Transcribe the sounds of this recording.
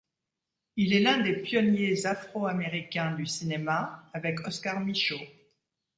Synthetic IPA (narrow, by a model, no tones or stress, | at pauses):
ilɛlɛ̃d̪epjɔnjezafχoameʁikʲɛ̃d̪ysinemaavɛkɔskaʁmiʃo